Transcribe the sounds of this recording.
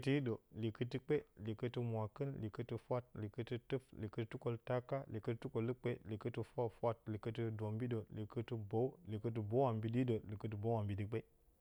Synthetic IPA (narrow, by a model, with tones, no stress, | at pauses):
ti˦ji˦ɗo˨li˨kɨ˦ti˦k͡pe˦li˨kɨ˦tɨ˦mʷ˨a˨kɨ˦nli˨kɨ˦tɨ˦fʷa˦t̚li˨kə˦tɨ˦tɨ˦fli˨kə˦ttu˦ko˦lta˦ka˦li˨kə˦tɨ˦tu˦ko˨lɨ˦k͡pe˦li˨kə˦tɨ˦fʷa˦fʷa˦t̚li˨kə˦tɨ˦dʷo˨mbi˦do˨li˨kə˦ti˦bo˨˦wli˨kə˦t̬i˦bo˨˦wa˨mbi˨di˦do˨li˨kə˦t̬ɨ˦bo˦wa˨mbi˨di˨k͡pe˦